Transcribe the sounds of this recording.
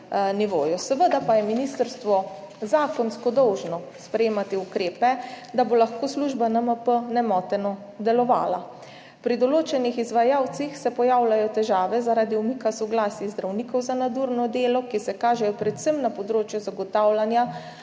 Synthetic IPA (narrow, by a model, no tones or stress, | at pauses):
niʋo̰ːjɔsəʋəd̪apajɛminist̪əɾst̪ʋɔ | zaːkɔnskɔd̪ɔwʒnɔspɾɛjeːmat̪iukɾeːpɛ | d̪abolaxkoːsluʒbanəməpənɛmɔt̪ɛnɔ | d̪ɛlɔʋa̰ːla̰ | pɾid̪ɔloːt͡ʃɛnixizʋajaːwt̪sixsɛpɔjaːwlajɔt̪ɛʒaːʋɛzaɾaːd̪iumikasɔɡlaːsizd̪ɾawniːkɔwzanad̪uɾnɔd̪eːlɔkisɛkaːʒɛjɔpɾɛt̪səmnapɔd̪ɾoːt͡ʃjuzaɡɔt̪awlanja